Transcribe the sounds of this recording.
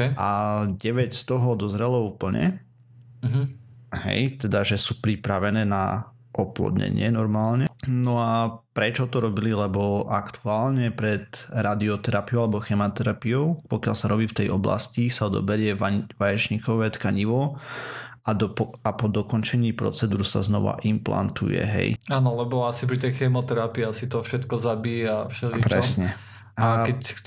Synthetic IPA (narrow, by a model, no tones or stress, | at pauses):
ʔaɟɛʋɛcst̪ɔɦɔd̪ɔzɾɛlɔuːpl̩ɲɛ̰ | ɦ | ɦɛ̰jt̪ɛd̪aʒɛsuːpɾipɾaʋɛnɛːna̰ | ʔɔplɔ̰d̪ɲɛ̰ɲɪɛnɔɾmaːlɲɛnɔapɾɛt͡ʃɔt̪ɔɾɔbililɛbɔa̰kt̪ʰuaːlɲɛpɾɛt̪ɾad̪iɔt̪ɛɾapiɔalɛbɔxɛmat̪ɛɾapijɔʊpɔkjalsaɾɔbiːft̪ɛjɔbla̰scisad̪ɔ̰bɛɾɪɛʋajɛt͡ʃɲikɔʋɛt̪kaɲiʋɔ | aapɔd̪ɔkɔnt͡ʃɛɲiːpɾɔ̰t͡sɛd̪uːɾsa̰znɔ̰ʋa̰ʔimpla̰nt̪ṵjɛ̰ɦɛ̰jaːnɔlɛbɔasip̬ɾit̪ɛjxɛmɔt̪ɛɾapiasit̪ɔfʃɛt̪kɔzabiːjafʃɛlipɾɛsɲɛ | aakɛc